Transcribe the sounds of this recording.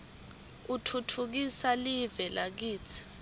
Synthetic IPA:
utʰutʰuk̬isalivɛlʔak̬iːt͡sʰi̥

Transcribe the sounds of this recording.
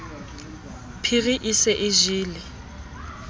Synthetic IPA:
pʰiɣiʔisɛʔɪʒɪːlɪ

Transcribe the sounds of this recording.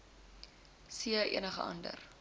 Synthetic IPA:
siəʔḭənəχə̰ʔɐ̰ndə̰r

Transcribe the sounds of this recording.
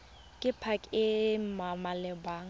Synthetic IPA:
kʼɪpʰakʼɪmamalɛbaːŋ̩

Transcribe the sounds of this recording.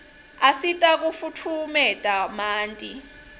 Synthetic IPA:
asitʼak̬ufutʰumɛtʼamaːntʼi

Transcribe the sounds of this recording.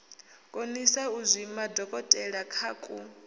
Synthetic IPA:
kʼonisauzʷimadɔkʼɔtʼɛɺakʰaːkʼu

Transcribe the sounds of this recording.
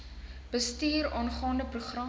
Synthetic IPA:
b̥əstiːɾɔnχɑːndəpruχrɑ

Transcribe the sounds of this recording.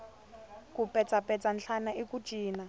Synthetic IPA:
kupʼɛt͡sʼapʼɛt͡sʼanɬʰanaʔikʼu̥ʒ̥ʱiːna

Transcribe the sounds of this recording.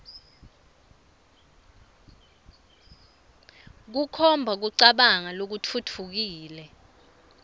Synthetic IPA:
k̬ukʰɔmbʱak̬uǀaɓaŋalok̬utʰutʰuk̬iːlɛ

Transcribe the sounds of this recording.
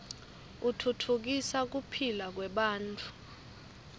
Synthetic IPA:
utʰutʰuk̬isak̬upʰilak̬wɛɓaːnt͡fʼu̥

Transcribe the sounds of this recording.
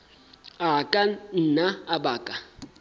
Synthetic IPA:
akʼan̩ːnaabaːkʼa

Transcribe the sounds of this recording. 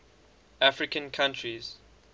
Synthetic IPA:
afɹikə̃nkʰãntʰɹiz̥

